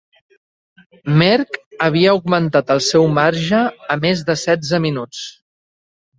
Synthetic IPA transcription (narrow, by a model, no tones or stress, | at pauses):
mɛɾkəβ̞iəuɡmənt̪at̪əlˠsɛwmaɾʒəːmezðəsɛd͡zəminut͡s